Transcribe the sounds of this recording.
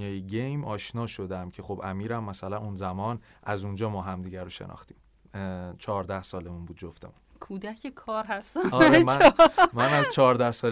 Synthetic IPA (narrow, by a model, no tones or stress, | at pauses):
jɒːjeɟejmɒːʃnɒːʃo̞d̪æmcʰe̞χo̞bæ̰miːɾæmːæsælænunzæmɒːn | ʔæzund͡ʒɒːmɒːɦæmd̪iːɟæɾoʃḛnɒ̰ːxt̪i̥ːm | t͡ʃʰɒːɾd̪æhsɒːle̞munbuːd̪d͡ʒoft̪emunkʰuːd̪æcʰekʰɒːɾɦæst̪ænɒːɾmæmænæzt͡ʃʰɒːɾd̪æhsɒːl